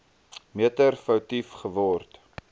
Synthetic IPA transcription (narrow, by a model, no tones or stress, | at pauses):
miətərfɐwtifχəvɔrt